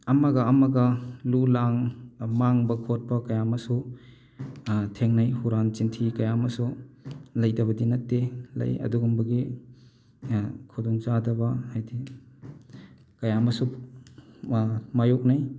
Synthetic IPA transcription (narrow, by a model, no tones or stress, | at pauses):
ɐmaɡɐːmaɡɐlulaŋmaŋbɐkʰot̚pɐkɐjamɐsu | tʰeŋnɐjhuɾant͡ʃintʰikɐjamɐsu | lɐjdɐβɐdinɐt̚tːelɐ̰jɐ̰duɡumbɐɡi | kʰuduŋzadɐbɐhajdi | kɐjamɐsu | majok̚naj